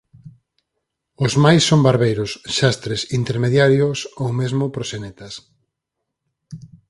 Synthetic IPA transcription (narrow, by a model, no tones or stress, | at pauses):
ʊzmajsːombaɾβejɾʊsʃast̪ɾesint̪eɾmeðjaɾjosowmezmʊpɾosenet̪ɐs